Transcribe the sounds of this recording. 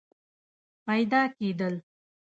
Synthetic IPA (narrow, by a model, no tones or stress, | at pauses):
pajd̪ɑked̪əl